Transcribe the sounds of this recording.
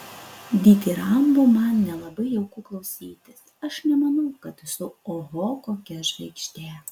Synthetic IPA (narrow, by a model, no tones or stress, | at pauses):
d̪ʲiːk̪ʲiɾɐmbumɑnnʲɛlˠɐbɐɪɛʊkʊklˠɒʊsʲiːt̪ʲɪs | ɐʃnʲɛmɐnɐʊkɐt̪sʊoɣoːkoːkʲɛʒʲʋʲɛkʃʲt̪ʲeː